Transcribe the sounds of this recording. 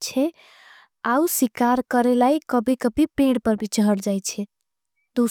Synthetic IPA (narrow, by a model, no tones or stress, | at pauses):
t͡ʃʰɛ | auswikaɾkəɾelaikəbikəbipẽɽpəɾbʱit͡ʃəɦəɽd͡ʒajt͡ʃʰɛ | d̪̥u